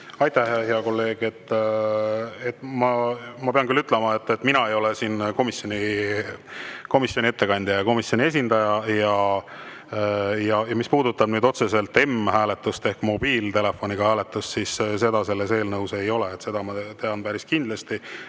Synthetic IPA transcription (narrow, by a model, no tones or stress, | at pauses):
ɑjt̪æhheɦeɑko̞lːe̞ːɡ̥e̞t̪ː | et̪mɑmɑpe̞ɑnkylːyt̪ˑlɛmɑe̞t̪ːet̪minɑe̞jo̞lesiːnko̞misjo̞nʲi | ko̞misjo̞nʲiet̪ːe̞kɑnʲd̪̥ʲjɑjɑko̞misjo̞nʲie̞sʲind̪ɑjɑjɑ | jɑjɑmispuːd̪̥ut̪ːˑɑbnyːd̪o̞t̪se̞se̞lt̪ːˑe̞mhæːle̞t̪ːˑust̪e̞hkmo̞b̥iːlt̪e̞le̞fo̞nʲiɡ̥ɑhæːle̞t̪ːˑust̪sisse̞d̪̥ɑse̞lːe̞se̞ːlnɤwse̞jo̞le̞et̪se̞d̪̥ɑmɑt̪e̞ɑnpæɾiskind̪lest̪i